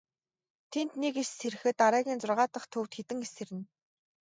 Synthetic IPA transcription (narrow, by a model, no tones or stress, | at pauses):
t̪ʰent̪nekeʃseɾɘ̆xɘ̆t̪aɾæːɣʲiːnt͡sʊrʁaːt̪ə̆χt̪ʰɵwt̪xet̪ɘ̆ŋesĕɾɘ̆n